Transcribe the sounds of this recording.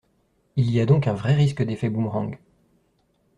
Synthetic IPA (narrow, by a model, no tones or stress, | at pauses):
iliad̪ɔ̃kɛ̃vʁɛʁis̬kəd̪efɛbumʁɔ̃ɡ